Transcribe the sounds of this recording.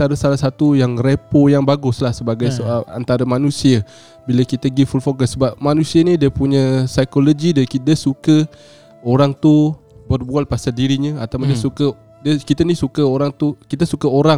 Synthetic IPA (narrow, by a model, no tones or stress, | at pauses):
ant̪aɾəsalahsat̪ujaŋrepojaŋbaɡʊslahsəbaɡajsoala̰nt̪aɾəmanũsiə | biləkit̪əɡifulfokəsːəbap̚manũsiənidiəpuɲəsajkoloɡidiəkit̪əsukə | oɾaŋt̪ubərbual̚pasadiɾiɲəat̪awdiəsukə | diəkit̪ənisukəoɾaŋt̪ukit̪əsukəoɾa